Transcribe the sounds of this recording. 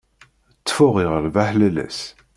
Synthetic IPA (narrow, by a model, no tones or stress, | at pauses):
ət͡sːfʊʁiʁəɾvæħlælæ̰s